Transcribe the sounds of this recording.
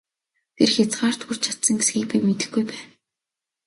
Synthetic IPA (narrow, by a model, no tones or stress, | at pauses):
t̪ʰerxʲat͡sɢaːr̥t̪xur̥t͡ɕʰḁt̪sə̆ŋɡesɡiːk̚pijmet̪ɘ̆xɡujpæːn